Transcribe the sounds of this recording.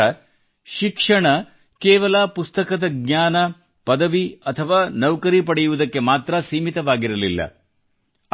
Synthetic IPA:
ɐ | ʃikʂɐɳɐ | kɛːʋɐlɐpust̪ɐkɐd̪ɐɡɲaːnɐ | pɐd̪ɐʋiɐt̪ʰɐʋaːnɐwkɐɾipɐɽɛjuʋud̪ɐkːe̞maːt̪ɾɐsiːmit̪ɐʋaːɡiɾɐlilːɐ̰

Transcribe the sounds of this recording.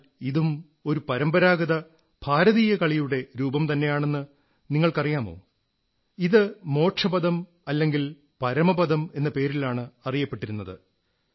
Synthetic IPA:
iðum | o̞ɾupɐɾɐmbɐɾaːɡɐðɐ | b̥ʱaːɾɐðiːjɐkɐɭijuɽe̞ɾuːbɐmt̪ɐnːe̞jaːɳe̞nːɨ | niŋːɐɭkɐrijaːmo̞̰ː | iðɨmo̞ːʈʂɐbɐðɐm | ɐlːe̞ŋɡil | pɐɾɐmɐbɐðɐme̞nːɐpe̞ːɾilaːɳɨɐrijɐpːe̞ʈːiɾunːɐðɨ̰

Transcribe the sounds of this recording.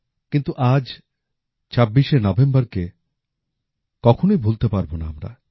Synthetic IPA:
kint̪uʔad͡ʑ | t͡ɕabːiʃenɔbembɐɾke | kɔkʰonojbʱult̪epaɾbonaamɾa̰

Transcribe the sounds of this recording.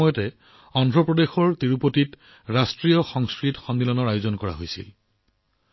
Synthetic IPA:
ɔjɔtɛ | ɔndʱɹɔpɹɔdexɔɹtiɹupotit | ɹastɹiɔxɔŋskɹitxɔndilɔnɔɹajozɔnkɔɹa̰ɦojsḭl

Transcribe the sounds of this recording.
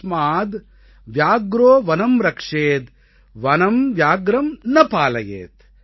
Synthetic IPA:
maːd̪ | ʋjaːɡɾoːʋɐnɐmɾɐkʂeːt̪ | ʋɐnɐmʋjaːɡɾɐmnɐpaːlɐjḛːt̪

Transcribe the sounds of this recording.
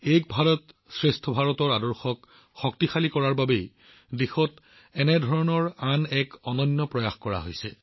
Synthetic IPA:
ejk̚bʱaɹɔt | sɹestʰɔbʱaɹɔtɔɹadɔɹxɔk | xɔk̚tixalikɔɹaɹbabej | dexɔt | ɛnɛdʱɔɹɔnɔɹanɛkɔnɔnːɔpɹɔjaxkɔɹa̰ɦo̰jsɛ̰

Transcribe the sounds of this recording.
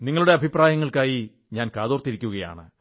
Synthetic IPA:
niŋːɐɭuɽe̞ɐbʱipraːjɐŋːɐɭkaːji | ɲaːnkaːðo̞ːrt̪ːiɾikʲːuɣɐja̰ːɳɨ̰

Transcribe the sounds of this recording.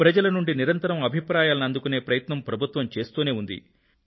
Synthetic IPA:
pɾɐd͡ʒɐlɐnuɳɖiniɾɐnt̪ɐɾɐmɐbʱipɾaːjaːlɐnɐnd̪ukune̞ːpɾɐjɐt̪nɐmpɾɐbʱut̪ʋɐmt͡ʃe̞ːst̪uːne̞ːund̪ḭ

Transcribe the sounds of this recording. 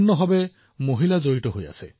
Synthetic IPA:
nːɔɦɔbɛ | moɦilazoɹitɔɦoja̰sɛ̰

